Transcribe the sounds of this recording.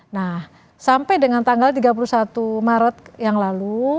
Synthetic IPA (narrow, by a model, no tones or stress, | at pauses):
nah | sampajdəŋant̪aŋɡalt̪iɡap̬ulusat̪umaɾət̪̚jaŋlalu